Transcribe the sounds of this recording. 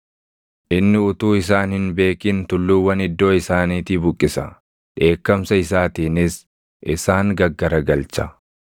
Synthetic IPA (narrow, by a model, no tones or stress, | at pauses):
ʔɪnːɪʊt̪uːɪs̬aːnhɪnbe̞ːkiːnt̪ʊlːuːwːɐnɪd̪ːo̞ːɪsaːniːt̪iːbʊkʼːɪsɐ̰ | ᶑe̞ːkːɐmsɐɪsaːt̪iːnɪs | ʔɪsaːŋɡɐɡːɐɾɐɡɐlt͡ʃɐ̥